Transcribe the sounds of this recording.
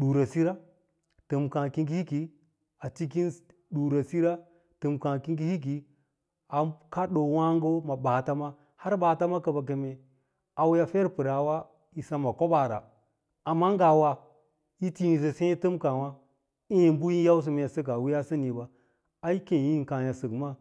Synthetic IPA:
ɗu˨ɾa˨si˦ɾa˦ | tɨ˨mkã˨ki˦ɡi˦hi˦ki˨ | a˨t͡ʃi˦k̬i˦n | ɗu˨ɾa˨si˦ɾa˦ | tɨ˨mkã˨ki˦ɡi˦hi˦k̬i˨ | a˨ka˦ɗo˨wa˦ŋɡo˦ma˨baː˨ta˦ma˦ | ha˦ɾba˨ta˦ma˦ka˨ba˨k̬e˨me˨ | a˨wja˦fe˦ɾpɨ˨ɾa˨wa˦ | i˨sa˦ma˨ko˦ba˨ɾa̰˨ | a˨mːa˦ŋ˦ɡa˨wa˨ | ji˦ti˦ni˨se˨sẽ˦tɨ˦mka˨wa˦ | i˦i˨m˦bu˦ji˦nja˦ws̬i˨m˦˨ja˨sə˦k̬a˨wi˦ja˦sə˦ni˨ba˨ | a˨i˦ke˨ji˦˨ka˨ja˨sɨ˨kma˦

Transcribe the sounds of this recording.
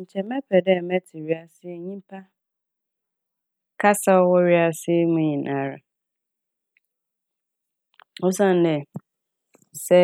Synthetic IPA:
ɲ̩˨t͡ɕʰɛ˨mɛ̃˦pʰɛ˨dɛ˦˨mɛ̃˦tʰɪ˨ɾi˦a˦sɪ˦e˦ɲĩ˦m˦pʰa˦ | kʰa˦sa˦ɔ˦wɔ˦ɾi˦a˦sɪ˦e˦ŋũ˦ɲĩ˨nã˦ɾa˨ | o˦sã˦˨nː˦ɛ̃˨ | sɛ˦

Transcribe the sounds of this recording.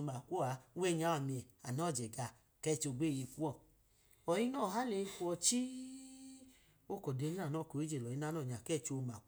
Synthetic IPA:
o˧ma˨kʷo˦˨a˧˦wɛ˦˨˧ɲa˨˦a˨mi˧ɛ˨a̰˨nɔ˦˨d͡ʒɛ˨ɡa˧˨ | kɛ˦˧˨t͡ʃo˧˨ɡ͡be˦˨je˧ku˦ɔ˦˨ | ɔ˨ji˦nɔ˦˨ɦa˦le˧˨i˧ku˧˦ɔ˧t͡ʃi˦ | o˦kɔ˨de˧˦ni˦a˦˨nɔ˦˨ko˨˦i˦d͡ʒe˨lɔ˨i˦na˦nɔ˦˨ɲa˨kɛ˦˨t͡ʃo˧ma˨k

